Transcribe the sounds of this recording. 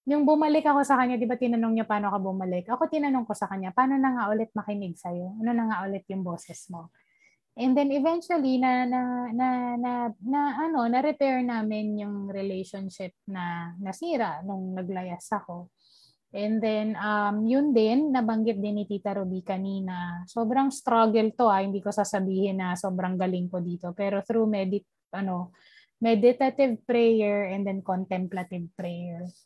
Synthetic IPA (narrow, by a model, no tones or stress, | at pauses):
jʊŋbʊmɐlɪkɐko̞sɐkɐɲːad̪ɪbat̪ɪnɐnoŋɲopaːnokɐbʊmɐlɪkʔɐko̞t̪ɪnɐnoŋko̞sɐkɐɲːapaːno̞nɐŋaʔʊlɛt̪̚mɐkɪnɪɡ̚sɐjo̞ɐno̞nɐŋaʔʊlɛt̪̚jʊŋbo̞ːsɛsmo̞ | ʔɛnd̪ɛnɛvɛnt͡ʃwɐlinɐnɐnɐnɐnɐʔɐno̞nɐɾɛpɛɹnaːmɪnjʊŋɾɪlɛjʃonʃɪp̚nɐnɐsiːɾɐʔnʊŋnɐɡ̚lɐjasɐko̞ | ʔɛnd̪ɛnʔɐmjʊnd̪ɪnːɐbɐŋɡɪt̪̚d̪ɪnːɪt̪iːt̪ɐɾobikɐniːnɐso̞ːbɾɐŋst̪ɾaɡɛlt̪o̞ʔɐhɪnd̪iːkosaːsɐbiːhɪnːɐso̞ːbɾɐŋɡɐlɪŋkod̪iːt̪o̞pɛːɾo̞θɾumɛd̪ɪ | ʔɐno̞ | mɛd̪ɪt̪ɐt̪ɪvpɾɛjɛɹɛnd̪ɛnkont̪ɛmplɐt̪ɪvpɾɛjɛɹ